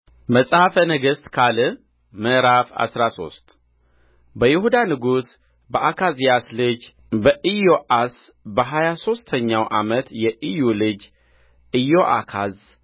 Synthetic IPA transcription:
məsʼhafənəɡəst̪kʰalɨ | məʔɾafa̰sɾaso̞̰st̪ | bəjɪhud̪anɨɡus | bəʔakʰazjaslɨd͡ʒ | bəʔɨjo̞ʔas | bəɦajaso̞st̪ʰəɲːawʔamət̪jɛʔɨjulɨd͡ʒ | ɨjoʔa̰kʰaz

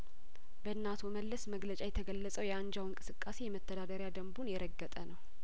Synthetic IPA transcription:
bəɨnːat̪ʰoməlːəsməɡlət͡ʃʼajɛt̪ʰəɡəlːəsʼəwjɛaɲd͡ʒawɨŋkʼɨsɨkʼːase̞jɛmət̪ʰːəd̪ad̪əɾɪjad̪əmbunjɛɾəɡːət̪ʼənəw

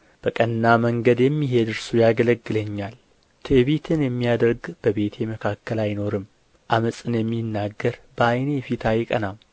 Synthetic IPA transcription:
b̥əkʼənːaməŋɡəd̪jɛmːiɦe̞d̪ɨɾsujaɡələɡːɨləɲːal | t̪ʰəβet̪ʰɨnjɛmːijad̪əɾɡb̥əβe̞t̪ʰjeməkʰakːəlajno̞ɾɨm | ʔaməsʼɨnjɛmːinːaɡːəɾbəajnejɛfit̪ʰajɪkʼə̰nam

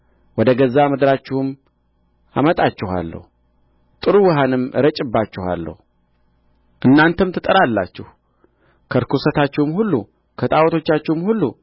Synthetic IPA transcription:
wɔd̪əɡəzːamɨd̪ɾat͡ʃːɪhɨm | a̰mət̪ʼat͡ʃːɪha̰lːə̰hu | t̪ʼɨɾuwɨɦanɨmɾət͡ʃʼɨbːat͡ʃːɪha̰lːə̰hu | ʔɨnːant̪ʰəmt̪ʰɨt̪ʼəɾalːa̰t͡ʃːɪh | kʰəɾkʰusət̪at͡ʃːɪhmhulːu | kʰət̪ʼawɔt̪ʰo̞t͡ʃːat͡ʃːɪhmhulːu

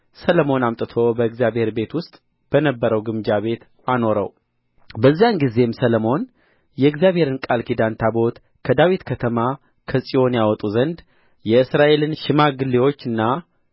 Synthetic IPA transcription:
sələmo̞namt̪ʼɨt̪ʰo̞bəɨɡzjabhe̞ɾbe̞t̪wʊst̪ʼ | b̥ənəbːəɾəwɡɨmd͡ʒaβe̞t̪ | ano̞ɾə̰w | bəzːijanɡize̞msələmo̞n | jɛɨɡzjaβʱhe̞ɾɨnkʼalkʰid̪ant̪ʰabo̞t̪ | kʰəd̪awit̪kʰət̪ʰəma | kʰəsʼijo̞njawɔt̪ʼuzənd̪ | jɛɨsɾaʔe̞lɨnʃɪmaɡɨlːiwo̞t͡ʃːɨnːa

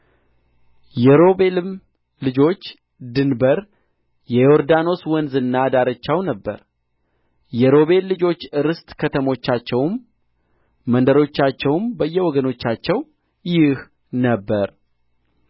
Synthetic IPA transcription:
jɛɾo̞be̞lɨm | lɨd͡ʒo̞t͡ʃː | d̪ɨnbəɾ | jɛjoɾd̪ano̞swɔnzɨnːad̪aɾət͡ʃːawnəbːə̰ɾ | jɛɾo̞βe̞lːɨd͡ʒo̞t͡ʃːɨɾɨst̪kʰət̪ʰəmo̞t͡ʃːat͡ʃːɛwm | ənd̪əɾo̞t͡ʃːat͡ʃːɛwmbəjːɛwɔɡəno̞t͡ʃːat͡ʃːɛw | jɪh | nəbːəɾ

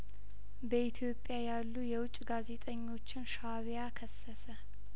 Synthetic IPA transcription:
bəit̪ʰjo̞pʼːjajalːujɛwʊt͡ʃʼɡaze̞t̪ʼəɲːo̞t͡ʃːɪnʃaβjakʰəsːəsə

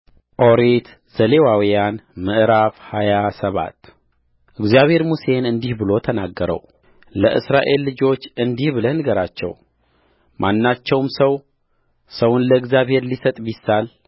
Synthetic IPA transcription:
ʔo̞ɾet̪ | z̥əlewawijanmɨʔɨɾafhajasəβa̰t̪ː | ʔɨɡzijaβhe̞ɾmuse̞nɨnd̪ihbɨlo̞t̪ʰənaɡːəɾə̰w | ləʔɨsɾaʔe̞lːɨd͡ʒo̞t͡ʃːɨnd̪ihbɨlənɨɡəɾat͡ʃːɛ̰w | mʔanːat͡ʃːɛwmsəw | səwʊnləɨɡzjaβhe̞ɾlisət̪ʼbisːal

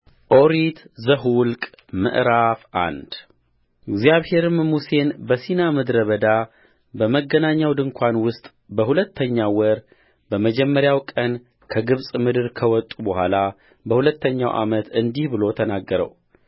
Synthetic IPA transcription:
ʔo̞ɾit̪zəɦulkʼ | mɨ̰ʔɾafʔa̰nd̪̥ | ɪɡzjaβhe̞ɾɨmmuse̞nbəsinamɨd̪ɾəβəd̪a | bəməɡːənaɲːawd̪ɨŋkʷʰanwʊst̪ʼ | bəhulət̪ʰːəɲːawɔɾ | bəməd͡ʒɛmːəɾjawkʼən | kʰəɡɨβsʼmɨd̪ɨɾkʰəwɔt̪ʼubəhʷala | bəhulət̪ʰːəɲːa̰wʔa̰mət̪ɨnd̪ihbɨlo̞t̪ʰənaɡːəɾə̰w

